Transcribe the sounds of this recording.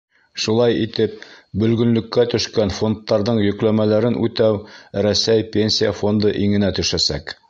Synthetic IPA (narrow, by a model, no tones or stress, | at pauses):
ʃulˠɑjit̪ɘp̚bɵ̆lɡɵ̆nlɵ̆kːæt̪ɵ̆ʃkænfo̞nt̪ːɑɾðɤɴjɵ̆klæmælæɾɘnʔʉ̰t̪æwɾæsæjpʲenʲsʲijafo̞nd̪ɤʔiŋɘ̆næt̪ɵ̆ʃæsæ̰k